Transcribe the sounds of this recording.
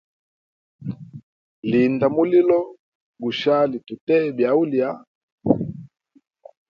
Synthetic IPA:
li˨nda˨mu˦li˦lɔ˦ | ɡu˨ʃa˦li˨tu˨tɛ˦bja˨u˦li˨a˦

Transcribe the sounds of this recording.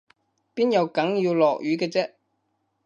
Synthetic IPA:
piː˥njɐ˨˧wkɐ˨˥ŋjiː˧wlɔː˨k̚jyː˨˧kɛː˧t͡sɛː˥ʔ

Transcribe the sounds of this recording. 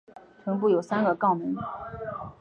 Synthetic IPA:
tʰə˧˥np̬u˥˩jo˨˩ʊsa˥nɡə˨kɑ˥˩ʊmi˧˥ŋ

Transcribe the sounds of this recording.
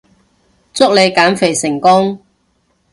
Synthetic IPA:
t͡sʊ˥k̚le˨˧jkaː˨˥nfe˨˩jsɪ˨˩ŋkʊ˥ŋ

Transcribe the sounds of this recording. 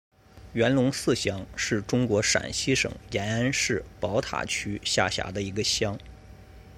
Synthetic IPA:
ɥɛ˧˥nlʊ˧˥ŋsɹ̩˥˩ɕjɑ˥ŋʂɻ̩˥˩ʈ͡ʂʊ˥ŋkwɔ˧˥ʂa̰˨˩nɕi˥ʂɤ̰˨˩˦ŋjɛ˧˥nə˥nʂɻ̩˥˩pɑ˧˥ʊt̪ʰa̰˨˩t͡ɕʰy˥ɕja˥˩ɕja̰˧˥d̪ə˧i˧˥ɡə˧ɕjɑ˥ŋ

